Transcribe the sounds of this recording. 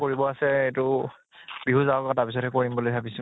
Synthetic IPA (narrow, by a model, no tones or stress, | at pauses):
koɹibɔasɛetʊ | biɦuzaɔkatapis̬ɔthɛkoɹimbolojbʱabisi